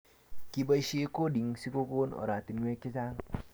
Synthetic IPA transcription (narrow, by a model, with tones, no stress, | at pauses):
ki˦ba˦ʃe˦ko˦di˨ŋsi˦ko˦ko˦no̰˨ɾa˨ti˨nŋʷ˦e˦ki˦za˦ŋ